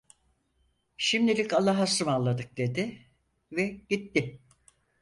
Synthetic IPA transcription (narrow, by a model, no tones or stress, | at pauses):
ʃimd̪ilʲikalˠːaɦasɯmalˠːad̪ɯk̚d̪e̞d̪ɪ | vɛɟ̥it̪ːɪ